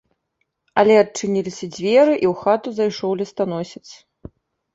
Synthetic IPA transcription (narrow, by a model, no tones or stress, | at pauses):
ɐlʲɛɐt͡ʂɨnʲilʲisʲɐd͡zʲvʲɛɾɨʔiwxat̪uzajʂɔwlʲɛst̪anɔsʲɐt̪s